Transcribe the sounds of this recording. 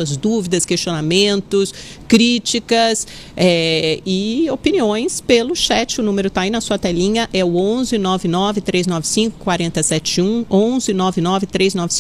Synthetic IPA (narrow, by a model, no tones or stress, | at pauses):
uɐzd̪uvid̪ɐskest͡ʃionamẽnt̪ʊs | kɾit͡ʃikɐs | ɛɪopiniõj̃spelʊʃɛt͡ʃɪʊnũmeɾʊt̪ainɐsuɐt̪ɛlĩɲɐʔɛʊõzɪnɔvɪnɔvɪt̪ɾeznɔvɪsĩŋkʊ̥kwaɾẽnt̪ɐsɛt͡ʃɪũõzɪnɔvɪnɔvɪt̪ɾeznɔvɪs